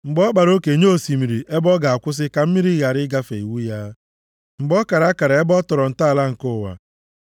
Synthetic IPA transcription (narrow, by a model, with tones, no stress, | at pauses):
ŋ͡m̩˨ɡ͡bɔ˦k͡pa˨ɾo˦ke˨ɲo˦˨si˨mi˨ɾi˨ʔe˦bɔ˦ɡa˨a˨kʷʊ˦s̬ɪ˦ka˨m̩˦mi˦ɾi˦ɣa˨ɾɪ˦ɡa˦fḛ˨ḭ˨wu˦ja˦ | ŋ͡m̩˨ɡ͡bɔ˦ka˨ɾa˦ka˨ɾa˨e˦bɔ˦tɔ˨ɾɔ˨n̩˨ta˦˨la˦ŋ̩˨kʊ˦˨wa̰˨